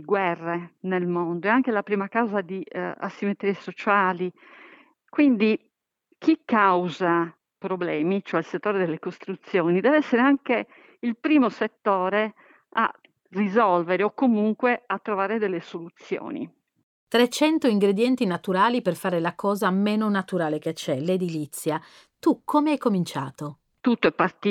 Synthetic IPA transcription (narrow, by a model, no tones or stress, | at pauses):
ɡwɛrːenelmond̪oɛaŋkelapɾiːmakawzad̪ia̰sːimet̪ɾiesot͡ʃaːli | kwind̪i | kikːawza | pɾoblɛːmit͡ʃoɛlset̪ːoːɾed̪ɛlːekost̪ɾut̪sːjoːnid̪ɛːvɛsːeɾeaŋke | ilpɾiːmoset̪ːɔːɾe | a̰ | rizɔlveɾeokːomuŋkweat̪ːɾovaːɾed̪ɛlːesolut̪sːjo̰ːnḭ | t̪ɾet͡ʃɛnt̪oiŋɡɾed̪jɛnt̪inat̪uɾaːliperfaːɾelakɔːzameːnonat̪uɾaːlek̟et͡ʃɛled̪ilit̪sːja | t̪ukʰːomeajkomint͡ʃaːt̪o | t̪ut̪ːoɛpːart̪ː